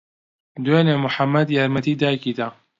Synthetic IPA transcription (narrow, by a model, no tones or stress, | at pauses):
d̪weːneːmʊħamːɐd̪jaːɾmɐt̪iːd̪aːjkiːd̪a